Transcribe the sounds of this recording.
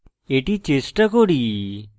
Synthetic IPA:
eʈit͡ʃesʈəkoɽi

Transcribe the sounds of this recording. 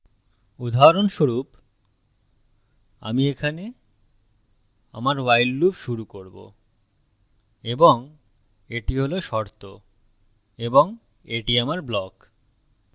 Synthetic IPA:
ud̪ʱaɾonʃoɾup | a̰miekʰane | a̰maɾwajlːubʃuɾukoɾbo̰ | eboŋ | eʈiɦoloʃɔɾt̪o | eboŋ | eʈiamaɾblɔk

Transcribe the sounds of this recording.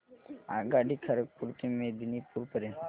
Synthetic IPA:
a̰ɡaɖikʰəɾəkkuɾt̪imẽd̪inipuɾpəɾənt̪

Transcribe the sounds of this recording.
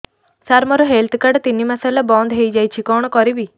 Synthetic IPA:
saɾmɔɾɔɦelt̪ʰkaɖt̪inːimasalabɔnd̪ɦejd͡ʒajt͡ʃʰikɔɽ̃ɔkɔɾibi

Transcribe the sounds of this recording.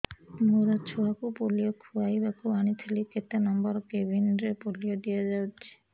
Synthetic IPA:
muɾat͡ʃʰuakupolijɔkʰuajbakuanit̪ʰeliket̪anɔmbɔɾkebʱinɾepolijɔd̪ijad͡ʒawt͡ʃʰi̥

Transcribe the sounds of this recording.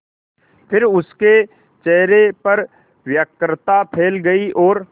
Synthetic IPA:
pʰɪɾʊske | t͡ʃɛɦɾepɐɾ | ʋjəkɾt̪apʰeːlɡɐiʔɔːɾ

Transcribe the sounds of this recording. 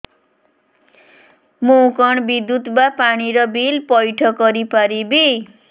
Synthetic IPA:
mukʌɳbid̪ut̪bapaɽ̃iɾʌbilpʌjʈʰʌkːʌɾipaɾibi

